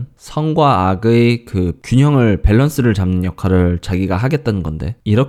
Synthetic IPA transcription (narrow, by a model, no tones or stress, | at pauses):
nsʰʌŋɡwaːɡɯekɯkjuɲʌŋɯɭpe̞ɭːʌns͈ɯɾɯɭt͡ɕamnɯnjʌkʰaɾɯɭt͡ɕaɡiɡaɦaɡe̞t̚t͈anɯnɡʌnde̞̰iɾʌk